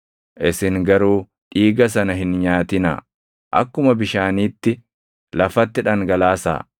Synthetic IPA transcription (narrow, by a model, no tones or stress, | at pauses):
ʔɪsɪŋɡɐɾuː | ᶑiːɡɐs̬ɐnɐɦɪnɲaːt̪ɪnɐ̰ | ʔɐ̰kːʊmɐbɪʃaːniːt̪ːɪ | lɐfɐt̪ːɪᶑɐŋɡɐlaːsa̰ː